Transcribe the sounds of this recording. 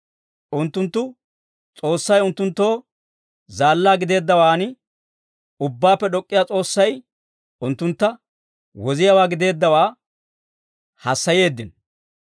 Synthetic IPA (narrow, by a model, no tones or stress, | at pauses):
ʔʊnt̪ːʊnt̪ːʊ | t͡sʼo̞ːsːɐjʊnt̪ːʊnt̪ːo̞ː | zaːlːaːɡɪd̪e̞ːd̪ːɐwaːnɪ | ʊbːaːpːɛɗɔkʼːɪjaːt͡sʼo̞ːsːɐj | ʊnt̪ːʊnt̪ːɐ | wɔzɪjɐwaːɡɪd̪e̞ːd̪ːɐwaː | hɐsːɐje̞ːd̪ːɪn